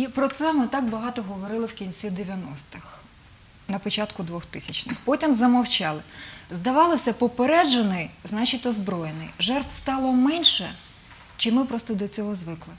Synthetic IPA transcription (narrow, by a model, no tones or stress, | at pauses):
ipɾɔt̪sɛmɪt̪ɑkbɐɦɑt̪ɔɦɔʋɔɾɪlˠɪwkʲinʲt͡sʲid̪eʋʲjɐnɔst̪ɪx | nɐpɔt͡ʃɑt̪kʊd̪ʋɔxt̪ɪsʲɐt͡ʃnɪxpɔtʲimzɐmɐwt͡ʃɑlˠɪzd̪ɐʋɑlˠɪsʲɐpɔpeɾɛd͡ʒenɪjznɑt͡ʃitʲɔzbɾɔjenɪ̰jʒɛrt̪wst̪ɑlˠɔmɛnʲʃɛ | t͡ʃɪmɪpɾɔst̪ɔd̪ɔt͡sʲɔɦɔzʋɪklˠɪ